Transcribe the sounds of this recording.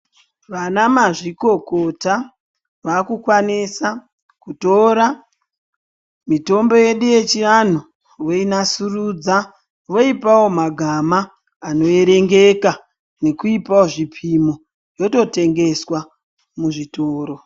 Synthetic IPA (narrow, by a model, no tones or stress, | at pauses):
ʋanamaʐiko̞kota | ʋaːkukwanisa | kuto̞ɾa | mito̞mbo̞je̞ɗuje̞t͡ʃiran̤u | ʋo̞inasuruːd͡za | ʋo̞ipawo̞maɡʱamaː | no̞eɾe̞ŋɡe̞ka | ne̞kuipao̞ʐipʰimo | jo̞to̞te̞ŋɡe̞swa | muʐitoːɾo